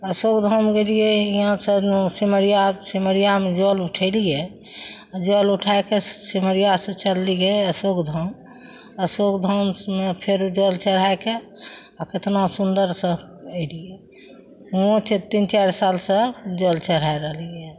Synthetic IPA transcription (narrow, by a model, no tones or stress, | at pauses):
əsokd̪ʱəmɡelijeiɦãsə̃siməɾijasiməɾijamed͡ʒoluʈʰəlije | ad͡ʒoluʈʰaekesiməɾijasə̃t͡ʃəlːiɡeəsokd̪ʱəm | əsokd̪ʱəmmepʰeɾd͡ʒəlt͡ʃəɾ̤aeke | aket̪nasund̪əɾsə̃ | əɪlijɛ | õt͡ʃʰet̪int͡ʃaɾsalsə̃d͡ʒolt͡ʃəɾ̤aɾəɦliɡe